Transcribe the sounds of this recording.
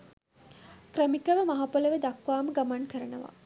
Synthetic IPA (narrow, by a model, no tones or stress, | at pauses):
kɾəmikəʋəmaɦapoləʋed̪akʋaːməɡamankəɾənəʋa̰